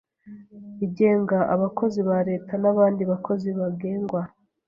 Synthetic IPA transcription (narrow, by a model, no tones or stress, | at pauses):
iɟe̞ːŋɡaʔaβakʰo̞ziβaɾe̞ːtʰanaβaːndiβakʰo̞ziβaɡe̞ːŋɡwa